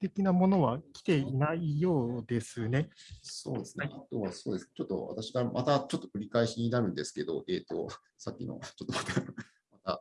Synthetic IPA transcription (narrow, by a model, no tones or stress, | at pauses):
t̪e̞kʲinamo̞no̞βakʲi̥t̪e̞inaijo̞ːd̪e̞sɨne̞so̞ːd̪e̞sɨnaat̪o̞βaso̞ːd̪e̞sɨnet͡ɕo̞t̪ːo̞̰βa̰t̪aɕiɡamʔat̪at͡ɕo̞t̪ːo̞kɯ̟ɾʲikaeɕiɲ̟inaɾɯ̟̃nd̪e̞sɨ̥ke̞d̪o̞̰ʔe̞ːt̪o̞̰ | sakʲːino̞̰t͡ɕo̞t̪ːomat̪a | mat̪a̰